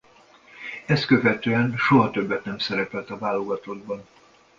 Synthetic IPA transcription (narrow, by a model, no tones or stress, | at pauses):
ɛst̪̚kø̞vɛt̪øːɛnʃo̞ɦɒt̪ø̞bːɛt̪nɛmsɛɾɛpɛlt̪ɒvaːlːo̞ɡɒt̪od̪bɒn